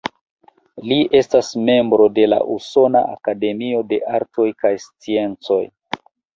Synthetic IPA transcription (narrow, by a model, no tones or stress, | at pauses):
lie̞stasme̞mbɾo̞de̞la̰ʔuso̞naʔa̰kade̞mio̞de̞ʔaɾto̞jkajst͡sie̞nt͡so̞̰j